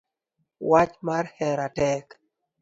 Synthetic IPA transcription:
wat͡ʃmarhɛɾatɛk

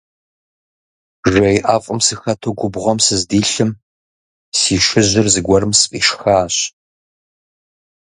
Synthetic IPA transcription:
ʒʷɐjʔaːfʼɨmsɨxɐtʰoɡʷʊbʁɔmsɨzdiːɬɨm | siːʃɨʑɪrzɨɡʷɔɾɨmsfʼḭːʃxaːɕ

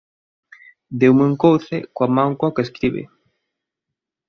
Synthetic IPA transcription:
d̪ewmeŋkowθekoamaŋkwakeskɾiβḛ

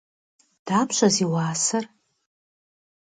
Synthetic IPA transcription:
d̥apʰʃʷaziwaːsɨr

